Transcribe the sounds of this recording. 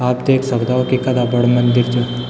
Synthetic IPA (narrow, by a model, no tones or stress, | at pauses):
aːpd̪eːksɐbd̪aokikɐd̪abəɽmənd̪iɾt͡ʃʰe